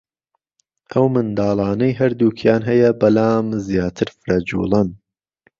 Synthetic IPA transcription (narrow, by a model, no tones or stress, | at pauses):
ʔɐwmɨnd̪ɑːlˠɑːnɐjɦɐɾd̪uːkʰjaːnɦɐjɐbɐlaːmzjaːt̪ʰɨɾfɨɾɐd͡ʒṵːlˠɨn